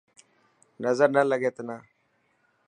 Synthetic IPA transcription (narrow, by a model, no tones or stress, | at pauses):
nazadnalaɡetəna